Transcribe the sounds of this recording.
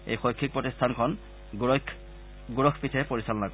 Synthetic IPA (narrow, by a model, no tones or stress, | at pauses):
ḛjxojkʰːik̚pɹɔtistʰankʰɔn | ɡuɹɔkʰpitʰɛpoɹisalɔnakɔ